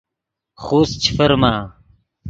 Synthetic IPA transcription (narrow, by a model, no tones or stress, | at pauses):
χoːst͡ɕʰifɐɾmaː